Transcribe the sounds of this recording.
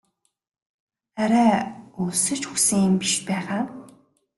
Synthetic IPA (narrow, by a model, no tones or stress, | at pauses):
χæɾæːuːsɘ̆t͡ɕxuksɘ̆ŋjɪmpiʃpæːχaː